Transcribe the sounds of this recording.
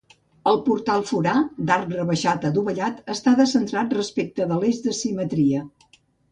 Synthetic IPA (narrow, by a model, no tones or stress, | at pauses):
əlˠpuɾt̪alˠfuɾad̪aɾrəβəʃat̪əd̪uβəʎat̪əst̪aðəsənt̪ɾat̪̚rəspek̚t̪əðəlezðəsimət̪ɾiə